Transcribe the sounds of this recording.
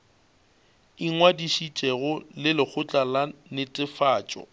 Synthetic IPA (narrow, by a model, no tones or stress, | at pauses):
iŋwadiʃit͡ʃʼɛɣʊlɪlɪk͡xʰʊt͡ɬʼalanɪtʼɪfaːt͡ʃʼɔ̰